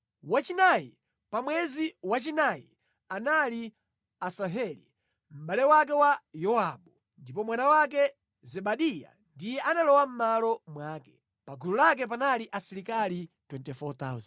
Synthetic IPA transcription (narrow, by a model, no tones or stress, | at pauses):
wat͡ʃinajḭ | pamwɛziwat͡ʃinajḭ | anali | asaɦɛli | m̩ɓalɛwak̬ɛwajɔwaɓu | ndipɔmwanawak̬ɛ | zɛɓaɗija̰ndijɛʔanalɔwam̩malɔmwaːkɛ̥ | paɡululak̬ɛp̬analiʔasiɾikalitwɛntɛfɔt̪a̰uzn